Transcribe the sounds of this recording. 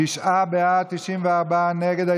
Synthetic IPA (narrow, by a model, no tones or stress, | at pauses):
iʃʔabeat̪iʃimveaʁbaanɛɡed̪a